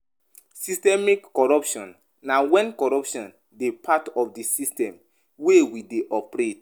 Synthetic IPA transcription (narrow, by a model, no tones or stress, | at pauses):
sistɛmikːɔɹɔpʃɔ̃nː | awɛ̃nkɔɹɔpʃɔ̃n | depʰatɔfdisistɛ̃m | wewideʔɔpɾet